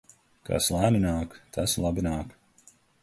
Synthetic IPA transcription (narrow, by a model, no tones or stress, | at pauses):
ka̰slˠaːninaːkt̪ʰaslˠabinaːk